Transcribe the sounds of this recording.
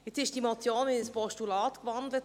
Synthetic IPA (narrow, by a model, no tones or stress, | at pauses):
jɛt͡sɪʃd̥imɔt͡sjoːnmɪəspɔstulɑːtkvɑnd̪lət